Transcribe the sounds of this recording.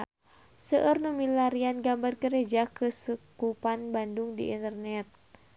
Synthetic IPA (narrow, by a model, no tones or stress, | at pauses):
səʔərnumilaɾianɡambarɡəɾed͡ʒakəsukupanbandʊŋdḭʔḭnt̪ərnɛt̪̚